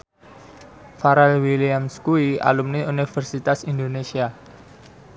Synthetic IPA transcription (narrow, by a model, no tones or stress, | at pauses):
faɾalwiliamskuia̰lumniunifərsit̪asind̪onesia